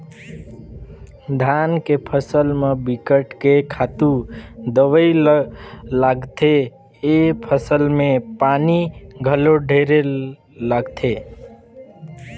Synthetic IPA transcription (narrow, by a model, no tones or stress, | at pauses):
d̪ʱankepʰəsəlmebikəʈkekʰat̪ud̪əʋəjl | laɡt̪ʰeː | pʰəsəlmepaniɡʱəloɖʱeɾe | ləɡt̪ʰe